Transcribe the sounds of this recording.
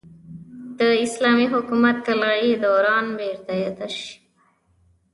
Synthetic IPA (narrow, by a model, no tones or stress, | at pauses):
d̪̥əɪslɑmiɦʊkumat̪̚kalɣaɽid̪oɾɑnbeɾt̪ajad̪aʃi̥